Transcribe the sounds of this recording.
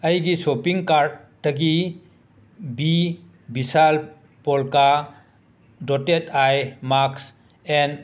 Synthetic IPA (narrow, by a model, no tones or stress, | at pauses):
ɐjɡisopiŋkaɾdːɐɡi | bi | bisal | pɔlka | dɔtetʰajmaks | en